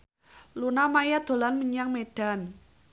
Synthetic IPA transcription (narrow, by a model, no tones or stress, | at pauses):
lunamajad̪̥o̤lanməɲaŋmeɖ̥a̤n